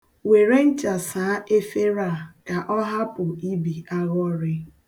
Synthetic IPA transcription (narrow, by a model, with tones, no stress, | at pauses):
we˨ɾe˦n̩˦t͡ʃa˨saː˨˦e˦fe˦ɾa˦˨ka˨ʔɔ˦ɦa˦pʊ˨i˦bi˨a˦ɣɔ˦ɾɪ˦